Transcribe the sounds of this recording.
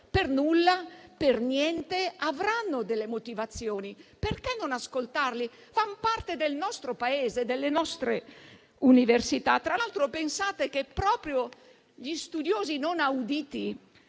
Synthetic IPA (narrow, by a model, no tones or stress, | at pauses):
pernulːapernjɛnt̪eavɾanːod̪elːemot̪ivat̪sːjoːniperkɛnonaskolt̪arli | fampart̪ed̪elnɔst̪ɾopaeːzed̪elːenɔst̪ɾe | universit̪at̪ːɾaalt̪ɾopensaːt̪ekepːɾɔːpɾjo | ʎist̪ud̪joːzinonawd̪iːt̪i